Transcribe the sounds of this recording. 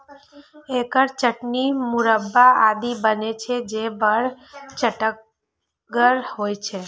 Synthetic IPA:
ekəɾt͡ʃəʈnimʊɾəbːaʔad̪ibənet͡ʃʰed͡ʒebəɽ | t͡ʃəʈək | ɡəɾhojt͡ʃʰe

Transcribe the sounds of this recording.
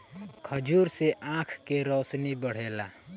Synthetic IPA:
kʰəd͡ʒuɾseʔãkʰkeɾɔsnibəɽ̤ela

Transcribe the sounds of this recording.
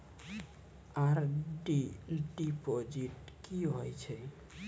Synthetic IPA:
aɾɖiɖipod͡ʑiʈkiɦojt͡ɕʰe

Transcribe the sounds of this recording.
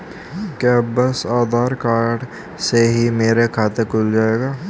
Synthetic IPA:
kaːbəsaːd̪ʱaːɾkaːɾɖ | seɦimeːɾekʰaːt̪ekʊld͡ʒaːeːɡaː

